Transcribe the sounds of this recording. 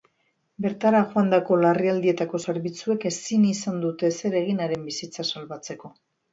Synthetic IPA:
be̞ɾt̪aɾaʝoand̪ako̞lariald̪ie̞t̪ako̞se̞ɾβit͡sue̞ke̞sinisand̪ut̪e̞se̞ɾe̞ɣ̞inaɾe̞mbisit͡sasalβat͡se̞ko̞

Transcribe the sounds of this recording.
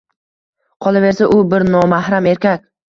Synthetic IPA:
qʰɒlˠave̞ɾsaʔʊbɪɾnɒmahɾame̞ɾkʲakʲ

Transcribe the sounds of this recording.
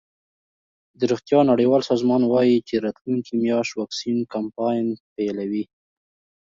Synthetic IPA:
d̪əɾixt̪jɑnaɽejwɑlsɑzmɑnwɑjit͡ʃeɾɑt̪luŋkimjɑʃwɑksinkampɑjnpelawi

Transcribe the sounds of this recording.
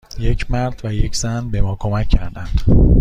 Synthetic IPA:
je̞cʰmæɾd̪̥væjecʰz̥ænbe̞mɒːkʰo̞mæcʰːæɾd̪ænd̪̥

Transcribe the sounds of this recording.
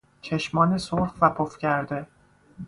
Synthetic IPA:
t͡ʃʰeʃmɒːnesoɾfvæpʰofcʰæɾd̪e̞

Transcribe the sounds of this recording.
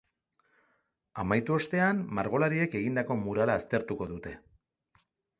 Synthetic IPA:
amajt̪uo̞st̪e̞anmaɾɣ̞o̞laɾie̞ke̞ɣ̞ind̪ako̞muɾalaːst̪e̞ɾt̪uko̞ðut̪e̞

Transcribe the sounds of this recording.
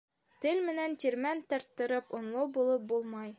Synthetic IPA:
t̪ɘlʲmɘ̆nænt̪ʲiɾmænt̪ɒ̆ɾt̪ːɤ̆ɾɤpŏnlˠɤbulˠɤp̚bulˠmɑj

